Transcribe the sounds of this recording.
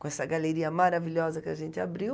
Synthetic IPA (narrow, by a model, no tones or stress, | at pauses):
kõɛsɐɡaleɾiɐmaɾaviʎʲɔzɐkɪaʒẽnt̪ɪabɾiw